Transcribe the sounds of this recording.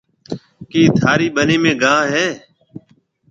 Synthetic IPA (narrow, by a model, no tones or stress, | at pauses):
kiːt̪ʰaːɾiːɓəneːmẽːɡãːɦɛː